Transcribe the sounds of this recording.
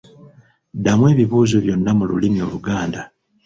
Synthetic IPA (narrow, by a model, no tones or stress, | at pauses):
damwe̞ːβiβuːzoβjo̞nːamululimio̞̰luɡaːnda